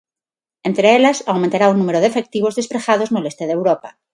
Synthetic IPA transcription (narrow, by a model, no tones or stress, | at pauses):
ent̪ɾeeʎasawmẽnt̪aɾaunũmeɾoðefek̚t̪iβ̞ozðespɾexað̞oznole̞st̪eðewɾopa